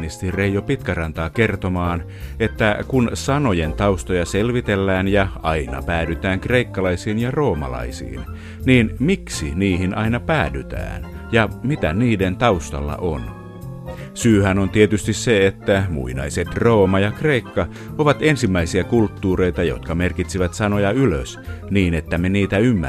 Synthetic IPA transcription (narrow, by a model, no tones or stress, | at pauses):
nist̪irejopit̪kærɑnt̪ɑːkert̪o̞mɑːn | e̞t̪ːækunsɑno̞jent̪ɑust̪ojɑselʋit̪elːæːnjɑɑinɑ̰pæːdyt̪æːŋkre̞ikːɑlɑisiːnjɑro̞ːmɑ̰lɑ̰isḭːn | niːnmiksiniːɦinʔɑinɑpæːdyt̪æ̰ːn | jɑmit̪æniːdent̪ɑust̪ɑ̰lːɑ̰ʔon | syːhænont̪iet̪yst̪isseet̪ːæmṵinɑ̰jset̪roːmɑjɑkre̞ikːɑ | oʋɑt̪e̞nsimːæisiækult̪ːuːre̞jt̪ɑjo̰t̪kɑme̞rkit̪siʋæt̪sɑnojɑylø̰sniːne̞t̪ːæmeniːt̪æymːæ̰